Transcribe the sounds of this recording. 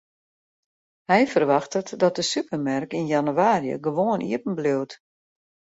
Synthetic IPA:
hɛjfərʋaxtətdɔt̚dəsypərmarkinjanywaːɾjə̰ɡəʋoːənʔḭəpn̩bløwt

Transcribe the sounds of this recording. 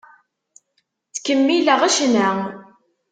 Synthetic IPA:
t͡skəmːiləʁæʃnæ

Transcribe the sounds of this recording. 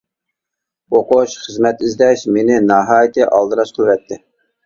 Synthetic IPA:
oqoʃχəzmɛt̪ɪzd̪ɛʃmenɪnɑɦɑːjɪt̪ʰɨʔɑlˠd̪ɨɾɑʃqʰəlˠwɛt̪ʰːɪ

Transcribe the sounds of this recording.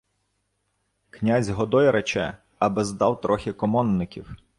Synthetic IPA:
knʲazʲɦɔd̪ɔjɛɾʔɛt͡ʃɛ | ɐbɛzd̪ɑwt̪ɾʔɔxʲɪkɔmɔnːɪkʲiw

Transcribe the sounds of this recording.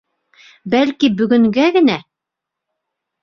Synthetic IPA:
bælkibɵ̆ɡɵ̆ŋɡæɡɘ̆næ

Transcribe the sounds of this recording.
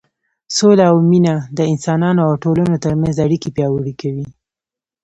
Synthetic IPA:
solaːwminad̪əɪnsɑnɑnoawʈolanot̪əɾmanzaɽikepjɑwəɽikawi

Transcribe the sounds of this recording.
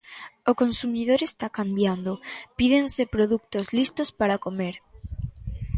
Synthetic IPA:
okonsumið̞oɾest̪akambjand̪opiðensepɾoðuk̚t̪ozlist̪ospaɾakomeɾ

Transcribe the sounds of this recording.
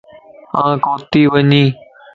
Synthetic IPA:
ãːkoːt̪iːʋəɲĩː

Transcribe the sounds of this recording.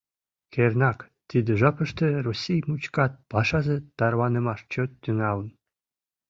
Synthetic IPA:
kʰernɑk | t̪id̪ə̆ʒɑpə̆ʃt̪ə̆rosʲijmut͡ɕkɑt̪̚pɑʃɑzĕt̪ɑɾwɑnəmɑʃt͡ɕot̪ːyŋɑlə̆n

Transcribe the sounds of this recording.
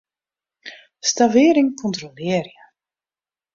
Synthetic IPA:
stavɪːɾɪŋkʰɔntrolɪːərjə

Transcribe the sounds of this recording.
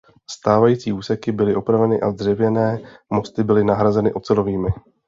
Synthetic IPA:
st̪aːvajiːt͡siːuːsɛkɪbɪlɪʔo̞pɾavɛnɪʔa̰zd̪r̝ɛvjɛnɛːmo̞st̪ɪbɪlɪnaɦɾazɛnɪʔo̞t͡sɛlo̞viːmɪ

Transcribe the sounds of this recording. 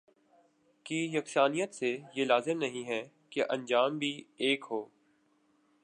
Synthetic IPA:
kijɐksaːnijət̪sejelaːzɪmnɐɦĩɦɛ | keʔɐ̃nd͡ʒaːmbʱieːkɦoː

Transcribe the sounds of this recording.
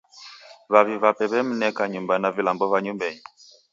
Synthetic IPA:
βaβiβapɛβɛm̩nɛkaɲumbanavilambɔβaɲumbɛɲi

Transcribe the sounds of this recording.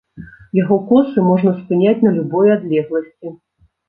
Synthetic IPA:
jaɣɔkɔsɨmɔʐnɐspɨnʲat͡sʲnɐlʲubɔjad̪lʲɛɣlˠɐsʲt͡sʲi

